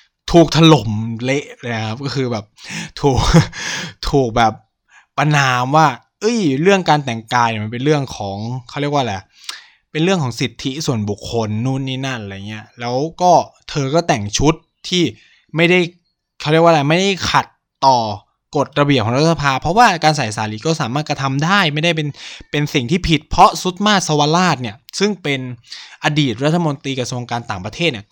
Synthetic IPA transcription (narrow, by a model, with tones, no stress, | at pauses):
t̪ʰuː˨˩k̚t̪ʰa˧lo˨˩˦mle˦˥ʔlaː˧n˦kʰa˦˥p̚kɔː˥˩kʰɯː˧bɛː˨˩p̚t̪ʰuː˨˩k̚ | t̪ʰuː˨˩k̚bɛː˨˩p̚ː | a˧naː˧mwaː˥˩ | ʔɤ˦˥˩jɾɯ˥˩əŋkaː˧nt̪ɛ˨˩ŋkaː˧jni˨˩ma˧pe˧nɾɯ˥˩əŋkʰɔː˩˦ŋkʰa˦˥wɾi˥˩əkwaː˥˩laː˨˩ | pe˧nɾɯ˥˩əŋkʰɔː˩˦ŋsi˨˩t̪ʰːi˦˥su˨˩ənbu˨˩kʰːo˧nːuː˦˥˩nːiː˦˥na˥˩nɾa˧jŋːi˦˥ɐlɛː˦˥wkɔː˥˩t̪ʰɤː˧kɔː˥˩t̪ɛ˨˩ŋt͡ɕʰu˦˥t̪ʰːiː˥˩ | ma˥˩jda˥˩j | kʰa˥˩ɾi˥˩əwaː˥˩lɛ˧˩ma˥˩jda˥˩jkʰa˨˩t̪ːɔː˨˩ | ko˨˩t̪̚ɾa˧bi˨˩əp̚ʰɔ˩˦ɾa˦˥sa˧pʰaː˧pʰɾɔ˦˥waː˥˩kaː˧nsa˨˩˦jsaː˨˦liː˨˦˩kɔː˥˩saː˨˦maː˥˩t̪̚kɾa˧t̪ʰa˧mdaː˥˩jma˥˩jda˥˩jpe˧npe˧nsi˨˩ŋt̪ʰiː˥˩pʰi˨˩t̪̚pʰɔ˦˥su˦˥t̪̚maː˥˩t̪̚sa˧wa˧laː˥˩t̪̚ni˥˩ɐsɯ˥˩ŋpe˧nʔa˧diː˨˩t̪̚ɾa˦˥t̪ʰːa˧mo˧nt̪ɾiː˧kɾa˧su˧əŋkaː˧nt̪aː˨˩ŋpɾa˧t̪ʰeː˥˩t̪̚niː˥˩